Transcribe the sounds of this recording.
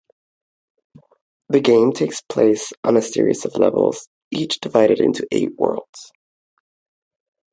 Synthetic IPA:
ðɨɡẽɪ̃mtʰeɪkspʰl̥eɪsʔn̩ɨsɪ̰ɹḭzʌvlɛ̰vəl̩ˠz̥ | it͡ʃd̥ɨvaɪɾɨɾɪ̰̃ntʰʉʔḛɪʔ̚wɜ̰˞lˠdz̥

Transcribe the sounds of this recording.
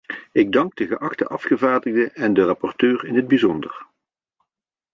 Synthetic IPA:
ɪɡ̚dɑŋɡ̚dəɣəʔɑχtəʔɑfχəvaːɹdəɣdəʔɛndərɑpɔrtøːrɪnɦəd̚bizɔndər

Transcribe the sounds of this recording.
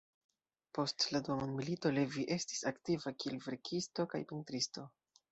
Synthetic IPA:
po̞stladuamonmilito̞leviʔe̞sti̥saktivakielve̞ɾkʰisto̞ka̰jpintɾisto̞

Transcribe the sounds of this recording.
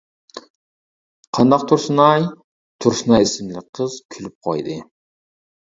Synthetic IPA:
qʰɑnd̪ɑq̚t̪ʰuɾsunɑj | t̪ʰuɾsunɑjisɪmlɪk̚ʲqʰːəz̥kʲʰylyp̚qʰo̰jd̪ɨ

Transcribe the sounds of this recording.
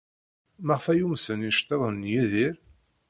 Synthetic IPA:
mæʁfæjumsəniʃt̪ːeðˤənːjiðiɾ

